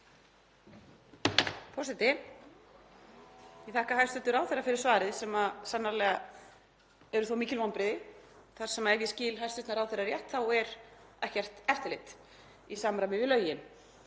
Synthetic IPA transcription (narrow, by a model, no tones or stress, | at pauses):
pʰɔsɛt̪ɪ | iθahkaɦajfst̪ʏt̪ʏɾawθɛrːafɪɾɪɾ̥svaːɾɪðsɛmasanːaɾlɛɣa | ɛɾʏθowmiːcɪlvanpɾɪðɪθaɾ̥sɛmaɛɾjɛsciːlɦajst̪ʏt̪naɾawθɛraɾjɛht̪θawɛɾɛhcɛr̥t̪ɛft̪ɪlɪht̪ | isamɾajmɪvɪðlœːɥjɪn